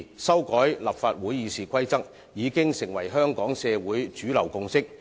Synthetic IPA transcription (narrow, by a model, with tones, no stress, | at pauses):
sɐ˥wkɔː˨˥jlɐ˨p̚faː˧t̚wuː˨˥jːiː˨˧siː˨kʷʰɐ˥jt͡sɐ˥k̚ | jiː˨˧kɪ˥ŋsɪ˨˩ŋwɐ˨˩jɦœː˥ŋkɔː˨˥ŋsɛː˧wuː˨˥jt͡ʃyː˨˥lɐ˨˩wkʊ˧ŋsɪ˥k̚